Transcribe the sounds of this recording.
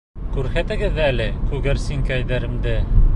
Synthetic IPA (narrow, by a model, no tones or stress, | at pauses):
kʉɾhæt̪ɘ̆ɡɘðːæælɘkʉɡɘɾsiŋkæjðæɾɘ̆md̪ɘ